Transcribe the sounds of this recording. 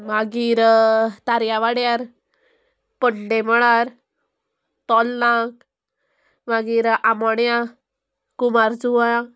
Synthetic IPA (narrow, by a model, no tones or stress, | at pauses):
maɡiɾt̪aɾjaʋaɽjaɾ | pəɽleməɭaɾ | t̪ɔlnak | maɡiɾamɔɳja | kumaɾd͡zuʋa